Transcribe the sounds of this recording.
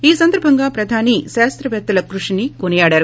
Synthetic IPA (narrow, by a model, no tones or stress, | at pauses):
iːsɐnd̪ɐɾbʱɐŋɡaːpɾɐd̪ʱaːniʃaːst̪ɾɐʋɛt̪ːɐlɐkɾuʂinikonijaːɽaːɾu